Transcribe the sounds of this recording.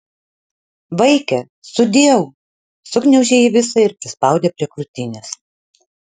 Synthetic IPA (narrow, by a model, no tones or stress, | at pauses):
ʋɐɪkʲɛ | sʊd̪ʲeɛwʊ | sʊknʲɛʊʒʲeːiʋʲɪsɐɪɾpʲɾʲɪspɐˑʊd̪ʲeːpʲɾʲiɛkɾʊt̪ʲɪnʲɛs